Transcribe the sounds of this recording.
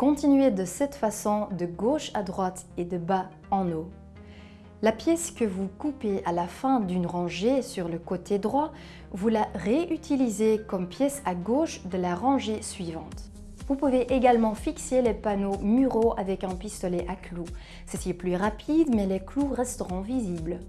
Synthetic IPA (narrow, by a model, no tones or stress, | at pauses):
kɔ̃t̪inɥed̪əsɛt̪fasɔ̃d̪əɡoʃad̪ʁwat̪ed̪əba | ɑ̃no | lapjɛskəvukupeʔalafɛ̃d̪ynʁɑ̃ʒesyʁləkot̪ʰed̪ʁwa | vulaʁeʔyt̪ʰilizekɔmpjɛsaɡoːʃd̪əlaʁɑ̃ʒesɥivɑ̃t̪ | vupuveʔeɡalmɑ̃fikselepanomyʁoavɛkɛ̃pist̪ɔlɛʔaklu | sɛtilplyʁapʰid̪mɛlɛkluʁɛst̪əʁɔ̃viziːbl